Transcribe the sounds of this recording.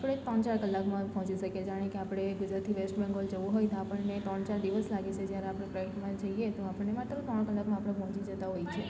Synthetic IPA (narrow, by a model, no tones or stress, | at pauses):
pɽ̃et̪ɔɳt͡ʃaɾkəlːakmãpɔ̃t͡ʃiʃəked͡ʒaɽ̃ekeapɽ̃eɡud͡ʒɾat̪ʰiʋesʈbɛ̃ŋɡold͡ʒəʋũɦojt̪apəɳnet̪ɾəɳ̃t͡ʃaɾd̪iʋəslaɡet͡ʃʰed͡ʒjaɾeapɽ̃epɾəəʈmãd͡ʒəiet̪oapəɳnemat̪ːɾət̪ɔɽ̃kəlːakmãapəɽ̃epɔ̃t͡ʃid͡ʒət̪aɦojt͡ʃʰe